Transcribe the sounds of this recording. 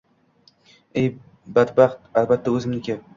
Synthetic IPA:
ej | bad̪baχt̪̚albat̪ʰːaɵzɪmnɪkʲa

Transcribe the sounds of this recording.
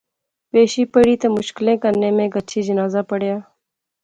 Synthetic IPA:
peːʃiːpəɽiːt̪əmʊʃkɪlẽːkəɾnẽːmẽːɡət͡ʃʰiːd͡ʒənaːzaːpəɽjaː

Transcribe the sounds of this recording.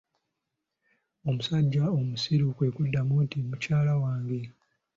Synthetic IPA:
o̞musaɟːaomusiɾukwe̞ːkudːamutimucaːlawaːŋɡe

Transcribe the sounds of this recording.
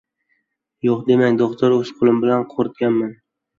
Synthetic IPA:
joqd̪e̞maŋd̪oqt̪ʰoɾosqʰʊlˠɪmbɪlanqʰoɾɪt̪̚ɡʲanman

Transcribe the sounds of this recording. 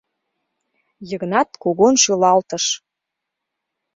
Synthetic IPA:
jəɣnɑt̪koɣonʃylɑlt̪ə̆ʃ

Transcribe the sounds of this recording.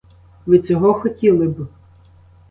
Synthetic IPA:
ʋɪt͡sʲɔɦɔxɔtʲilˠɪb

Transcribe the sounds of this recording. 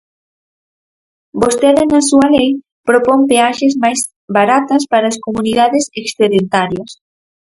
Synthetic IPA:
bost̪eðenɐsuɐlej | pɾopɔmpeaʃezmajs | baɾat̪ɐspaɾaːskomuniðaðeseksθeðent̪aɾjɐs

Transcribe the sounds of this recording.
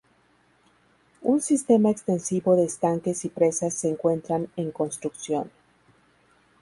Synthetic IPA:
unsist̪e̞maekst̪ensiβo̞ðeːst̪aŋke̞sipɾe̞sasːe̞ːŋkwe̞nt̪ɾane̞ŋko̞nst̪ɾuksjo̞̰n

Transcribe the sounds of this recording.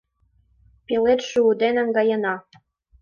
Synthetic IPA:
pelet̪ʃuud̪enə̆ŋɡɑjə̆nɑ

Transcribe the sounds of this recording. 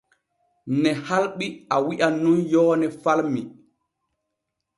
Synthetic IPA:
nɛhalɓiʔawiʔanunjɔːnɛfalmi

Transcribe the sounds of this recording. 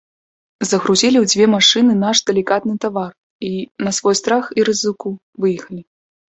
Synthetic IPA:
zɐɣɾuzʲilʲiwd͡zʲvʲɛmaʂɨnɨnaʂd̪ɛlʲikat̪nɨt̪avar | inɐsvɔjst̪ɾaxiɾɨzɨku | vɨjɐxɐlʲi

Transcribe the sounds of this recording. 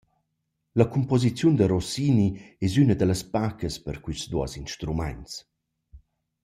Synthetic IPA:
ləkumpɔzit͡sjund̪əɾɔsiniɛzynəd̪ələspakəspəɾkwisd̪uə̰zinʃt̪ɾuma̰ns

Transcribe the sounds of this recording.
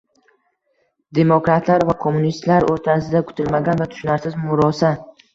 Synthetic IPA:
d̪e̞mokɾat̪ʰlaɾvakʰomːunist̪laɾoɾt̪ʰasɪd̪akʰʊ̥t̪ʰɪlmaɡʲanvat̪ʰʊ̥ʃʊnaɾsɪzmʊɾɒsa

